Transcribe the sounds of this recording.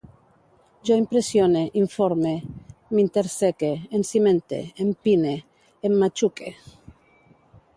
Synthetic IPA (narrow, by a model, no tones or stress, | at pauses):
d͡ʒoimpɾesjoneʔiɱfoɾmemint̪eɾsekeːnsimẽnt̪ḛːmpineː | mːat͡ʃukʰe